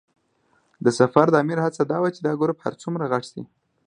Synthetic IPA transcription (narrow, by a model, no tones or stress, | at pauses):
d̪əsafaɾd̪əɑːmɪɾhat͡sad̪ɑwat͡ʃed̪ɑɡoɾopha̰ɾt͡sumɾaɣaʈsḭ